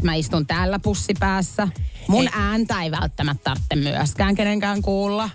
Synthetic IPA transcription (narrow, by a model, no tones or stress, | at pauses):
t̪mæist̪unt̪æːlːæpusːipæːsːæmunæːnt̪æeiʋæ̰lt̪ːæmæt̪t̪ɑrt̪ːemmyæ̰skæːŋkeneŋkæːŋkuːlːɑ